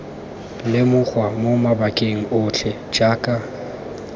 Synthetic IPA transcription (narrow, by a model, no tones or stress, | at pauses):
lɪmʊk͡xwamomabakʼeŋ̩ʊt͡ɬʰɛd͡ʒaːkʼa